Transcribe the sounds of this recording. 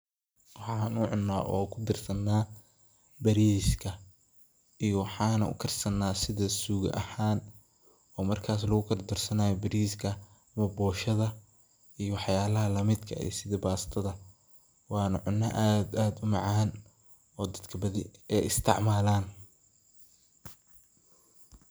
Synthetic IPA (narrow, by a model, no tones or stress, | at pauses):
wɑħɑːnʊʕʊnːa̰ːʔɔ̰ːkʰʊd̪ɪrsɐnːaː | bɐɾiskʰɐ | ʔijɔwɑħɑːnɐʊ̰kʰɐrsɐnːaːsɪðɐsuːɣʔɐ̰haːn | ɔːmɐrkʰaːs̬lɐɣʊkʰɐrd̪ɔrsɐnaːjɔbɐɾiːskʰɐ | ɐmɐbɔːʃɐðɐ | ʔijɔwɑħjaːlɐɦɐlɐmɪd̪kʰɐ̰ḭːsɪðɐbaːst̪ʰɐðɐ | wɑːnɐʕʊnːɐʔad̪aːd̪ʊmɑʕɑn | ɔːd̪ɐd̪kʰɐbɐðɪɛjɪst̪ʰɪ̰ʕmaːlaːn